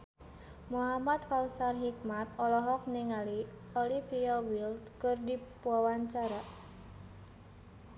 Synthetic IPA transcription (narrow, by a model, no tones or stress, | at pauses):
muɦamad̪̚kausarɦik̚mat̪ɔlɔɦɔk̚niŋali | ɔlifiɔwild̪kɨrdipuawaɲt͡ʃaɾaʔ